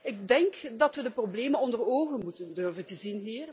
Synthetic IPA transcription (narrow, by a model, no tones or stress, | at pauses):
ɪk̚dɛŋkdɑtʋədəprobleːmənɔndəroːɣənmutəndørvəntəzinɦiːr